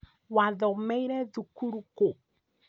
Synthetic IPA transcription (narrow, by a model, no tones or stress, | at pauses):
waðɔmɛiɾɛðukuɾuko